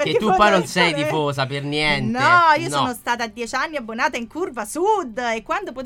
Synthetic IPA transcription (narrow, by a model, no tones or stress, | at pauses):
ekeukːwanonsɛjd̪ifosapernjɛntnɔiːosoːnost̪aːt̪ad̪ːjɛt͡ʃanːiabːonaːt̪aiŋkurvasud̪ːekːwand̪opo